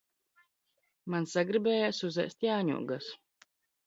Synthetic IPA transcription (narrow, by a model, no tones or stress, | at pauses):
mansaɡɾibɛːjaːsuzɛ̰st̪jaːɲṵɔɡas